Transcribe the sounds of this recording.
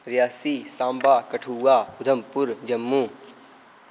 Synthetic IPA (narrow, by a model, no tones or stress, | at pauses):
ɾijaːsisãːmbaːkɐʈʰuːaːʊd̪ʱəmpʊɾd͡ʒɐmːu